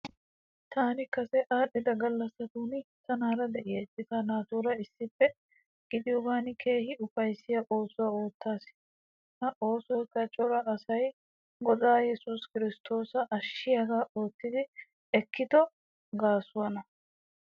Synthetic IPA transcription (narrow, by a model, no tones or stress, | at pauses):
t̪aːnɪkɐsɛʔaːɗɛd̪ɐɡɐlːɐsːɐt̪uːnɪt̪ɐnaːɾɐd̪ɛʔɪjɐt͡ʃːɪtɐnaːt̪uːɾɐɪsːɪpːɛ | ɡ̥ɪd̪ɪjɔɡaːnkʰe̞ːhɪʊfɐjsːɪjɐʔo̞ːsʊwɐo̞ːt̪ːaːs | hɐʔo̞ːsɔkɐt͡ʃʼɔɾɐʔɐsɐj | ɡɔd̪aːjɛsʊskɪɾɪst̪ʰo̞ːsɐʔɐʃːɪjɐɡaːʔo̞ːt̪ːɪd̪ɪ | ɛkːɪd̪ɔ | ɡaːsʊwɐnɐ